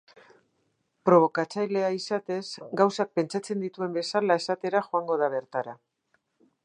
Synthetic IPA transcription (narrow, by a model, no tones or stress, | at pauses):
pɾo̞β̞o̞kat͡sajle̞aisat̪e̞zɡawsak̚pe̞nt͡ʃat͡se̞nd̪it̪ue̞mbe̞salae̞sat̪e̞ɾaxoaŋɡo̞ð̞aβ̞e̞ɾt̪aɾa